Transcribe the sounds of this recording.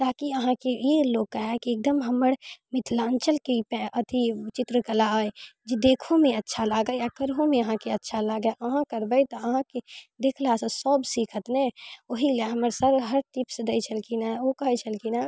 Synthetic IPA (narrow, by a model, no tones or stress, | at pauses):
t̪aːkiəɦãkejeloːɡ̚kaɦɛkieːk̚d̪əmɦɐməɽmɪt̪ʰlaːnt͡ʃəlkipɛʔət̪it͡ʃɪt̪ɾəkəlaaːed͡ʒid̪eːkʰõmẽɐtːʃʰalaːɡajakəɾɦõmẽəɦãkeɐtːʃʰalaːɡaʔɐɦãkɐɾbəit̪oəɦãked̪eːkʰlaːsəsɔːbsiːkʰət̪neoɦileɦɐməɾsəɾɦəɾʈ̪ipsed̪ɐit͡ʃʰəlkinaokɐɦit͡ʃʰəlkinaː